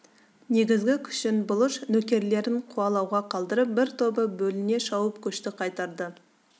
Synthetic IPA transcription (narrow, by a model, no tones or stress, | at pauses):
ne̞ɡʲɪzɡʲɪkʲʰʏ̥ʃɪnbʊlˠəʃnɵkʲe̞ɾle̞ɾɪɴqʰuɑlˠɑwʁɑqʰɑlˠd̪əɾəp̚bɪɾt̪ʰo̞bəbɵlɪne̞ʃɑwəpkʲʰʏʃt̪ɪqʰɑjt̪ɑɾd̪ə